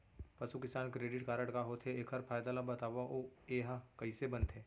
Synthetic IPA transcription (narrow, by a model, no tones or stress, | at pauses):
pɐsukɪsaːnkɾeːɖɪʈkaːɾəɽkaɦoːt̪ʰeeːkʰɦɐɾpʰaːjd̪alabɐt̪aːʋaʔoeːɦakɐisebɐnt̪ʰɦeː